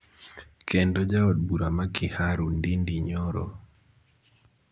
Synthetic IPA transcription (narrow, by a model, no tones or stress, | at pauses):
kʰɛndɔd͡ʒaɔd̚buɾamakʰɪhaɾundindiɲɔɾɔ̰